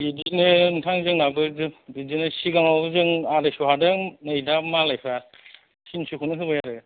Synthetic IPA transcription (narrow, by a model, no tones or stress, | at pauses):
bidinɯntʰaŋzɯŋnabɯɾdɯbidinɯsiɡaŋawzɯŋadɯsuɦadɯnɯjdamalajpʰa | sinsukʰunɯɦɯbajaɾɯ